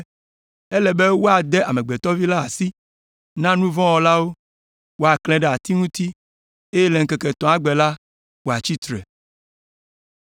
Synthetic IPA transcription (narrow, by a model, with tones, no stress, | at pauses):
ɛ˦lɛ˨be˦wo˦a˨d̪ɛ˦ʔa˨mɛ̃˨ɡ͡bɛ˨t̪ɔ˦vi˦la˦a˨si˦ | nã˦nũ˦vɔ̃˦wɔ˨la˦wo˦ | wo˦a˨klɛ̃˨ɖɛ˨a˨t̪i˦ŋũ˦t̪i˦ | e˦je˦lɛ˨ŋ̩˦kɛ˨kɛ˨t̪ɔ̃˨a˦ɡ͡bɛ˨la˦ | wo˨a˨t͡ɕi˦t̪ɾɛ̰˨